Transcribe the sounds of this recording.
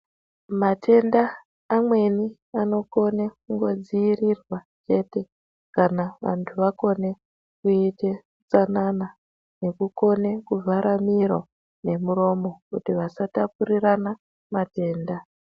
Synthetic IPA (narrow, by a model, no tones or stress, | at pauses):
matʰe̞ndaː | mwe̞ni | ano̞ko̞nekuŋɡo̞d͡ziirirwa | t͡ʃe̞te̞ | kanaʋa̰ntʰuʋako̞ne̞ | kuite | t͡sanana | ne̞kuko̞ne̞kuvaɾamiɾo̰ | ne̞muɾo̞mo̞kutiʋasatapurirana | mate̞ːnda